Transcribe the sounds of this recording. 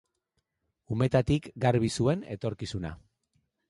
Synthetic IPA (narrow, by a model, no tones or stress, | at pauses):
ume̞t̪at̪ikɡaɾβisue̞ne̞̰t̪o̞ɾkisuna̰